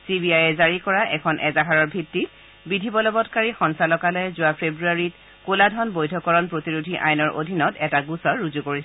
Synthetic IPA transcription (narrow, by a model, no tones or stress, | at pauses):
sibiajɛzaɹikɔɹaʔɛkʰɔnʔɛzaɦaɹɔɹbʱitːit | bidʱibɔlɔbɔtkaɹixɔnsalɔkalɔjɛzʊapʰebɹuaɹit̚ | koladʱɔnbojdʱɔkɔɹɔnpɹotiɹudʱiʔa̰jnɔɹʔo̰dʱinɔtɛtaɡusɔɹuzukoɹis